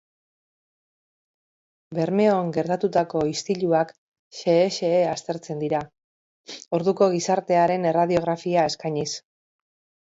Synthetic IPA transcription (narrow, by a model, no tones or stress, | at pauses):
be̞ɾme̞oŋɡe̞ɾt̪at̪ut̪ako̞ist̪iʎuak | ʃe̞ːʃe̞ːast̪e̞ɾt͡se̞nd̪iɾa | o̞ɾðuko̞ɣ̞isaɾt̪e̞aɾe̞ne̞raðio̞ɣ̞ɾafiae̞skajɲis